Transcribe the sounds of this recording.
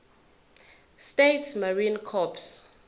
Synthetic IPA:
stetʰmaɹinkʰɔps

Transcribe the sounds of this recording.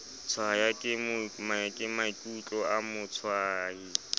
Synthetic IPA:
t͡sʰwajakʼɪmʊmajakʼɪmaikʼut͡ɬʼɔamʊt͡sʰwaːi

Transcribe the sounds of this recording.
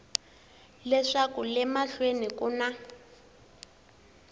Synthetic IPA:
lɛʂakulɛmaɬwenikʼuna

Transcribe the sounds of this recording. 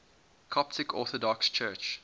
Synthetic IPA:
kʰɔp̚tɪkʰɔːˑθɔdɔkst͡ʃʰɜːt͡ʃ

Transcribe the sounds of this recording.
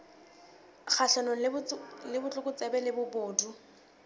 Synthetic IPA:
k͡xʰaʃanɔlɪbʊt͡ɬʼʊkʼʊt͡sʼɛbɛlɪbʊbʊːdu

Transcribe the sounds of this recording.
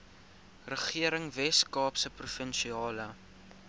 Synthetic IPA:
rəχiəɾəŋvɛskɑːpsəprufənʃiɑːlə

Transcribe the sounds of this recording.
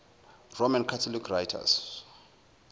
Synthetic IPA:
romankʰatʰɔlikʰrajtʰa̰s

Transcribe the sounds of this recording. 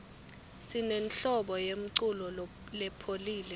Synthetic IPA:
sinenɬɔɓɔjem̩ǀulɔ | lɛpʰoliːlɛ

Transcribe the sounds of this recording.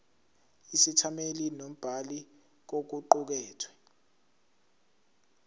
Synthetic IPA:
isitʰamelinom̩b̥ʱali | k̬ok̬uǃuk̬ɛːtʰwɛ̥

